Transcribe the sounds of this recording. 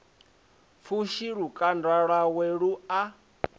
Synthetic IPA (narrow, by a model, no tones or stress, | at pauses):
fuʃiɺukʼandwaɺwaweɺua